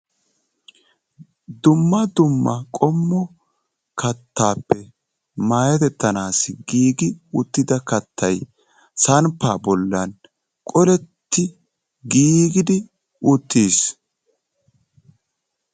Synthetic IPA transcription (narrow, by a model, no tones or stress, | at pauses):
d̪ʊmːɐd̪ʊmːɐkʼɔmːɔ | kɐt̪ʰːaːpːɛ | maːjɐt̪ɛt̪ːɐnaːsɪɡiːɡɪʊt̪ːɪd̪ɐkɐt̪ʰːɐj | sɐnpːaːbɔlːɐn | kʼɔlɛt̪ːɪ | ɡiːɡɪd̪ɪ | ʊt̪ːiːs